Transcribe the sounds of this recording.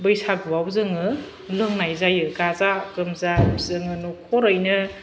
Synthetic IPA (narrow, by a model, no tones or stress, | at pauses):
bɯjsaɡɯwawzɯŋɯ | lɯŋnajzajɯɡazakɯmzazɯŋɯnukʰɔɾɯjnɯ